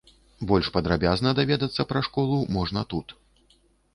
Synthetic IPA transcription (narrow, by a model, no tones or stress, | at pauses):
bɔlʲʂpɐd̪ɾabʲaznɐd̪avʲɛd̪ɐt̪sːɐpɾɐʂkɔlˠumɔʐnɐt̪ut̪